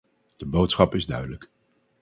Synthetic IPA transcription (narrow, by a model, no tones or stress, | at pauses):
d̥əbowtsχɑpɪzdœɥdələk